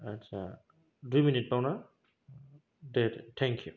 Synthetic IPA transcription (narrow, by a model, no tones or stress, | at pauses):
atsa̰ | dujminit̚pawna | dedtʰɛŋkʰju